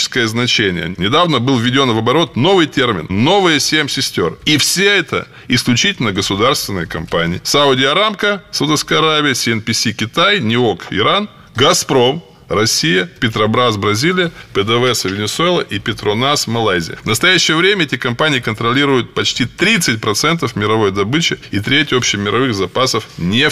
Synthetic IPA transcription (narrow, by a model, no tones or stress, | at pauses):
ɪ̥skəjəznɐt͡ɕenʲɪ̰jə̰nʲɪd̪avnəbɨlˠvʲɪdʲo̞nvɐbɐɾo̞t̪no̞vɨjtʲe̞rmʲɪ̰nːo̞vɨjəsʲemʲsʲɪsʲtʲo̞̰rifsʲoɛt̪ʰə̰ | ɪsklʲʉt͡ɕitʲɪlʲnəɡəsʊd̪arst̪vʲɪnːɨjəkɐmpanʲɪ̰ːsawdʲɪɐɾamkəsəvʊd̪əfskəɐɾavʲɪjəsʲɪɛnpʲɪsʲikʲɪt̪ajnʲɪokɪɾan | ɡɐspɾo̞m | rɐsʲːijəpʲɪt̪ɾɐbɾazbɾɐzʲilʲɪjəpəd̪əvɛsəvʲɪnʲɪsʊɛlˠə̰ʔipʲɪt̪ɾonasmɐlˠajzʲɪ̰jə̰vnəst̪ɐjæɕːɪjəvɾʲemʲəɛtʲɪkɐmpanʲɪːkənt̪ɾɐlʲiɾʊjʊt̪̚pɐt͡ɕtʲit̪ɾʲit̪sɨtʲpɾɐt̪sɛnt̪əfmʲɪɾɐvo̞jd̪ɐbɨt͡ɕɪit̪ɾʲetʲopɕːɪjmʲɪɾɐvɨɣzɐpasəfnʲe